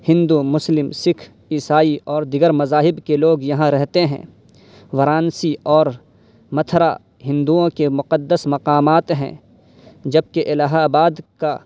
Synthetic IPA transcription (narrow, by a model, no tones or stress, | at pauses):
hɪ̃nd̪umʊslɪmsɪkʰ | iːsaːiɔːɾd̪ɪɡəɾmɐzaːɦɪbkeloːɡjɐɦãɾɛɦt̪eɦɛ̰̃ː | wɐɾaːnsiɔːɾ | mɐt̪ʰɾa̰ | ɦɪ̃nd̪uõkemʊqəd̪ːəsmɐqaːmaːt̪ɦɛ̰̃ː | d͡ʒɐb̚keʔɪlaːɦaːbaːd̪ka